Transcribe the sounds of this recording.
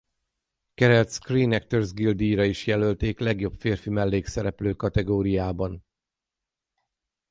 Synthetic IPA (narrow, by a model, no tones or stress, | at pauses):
kɛɾɛlt̪skriːnɛkt̪ørzɡild̪iːɾɒiʃjɛlølt̪eːklɛɡjo̞pfeːrfimɛlːeːksɛɾɛpløːkɒt̪ɛɡoːɾijaːbɒn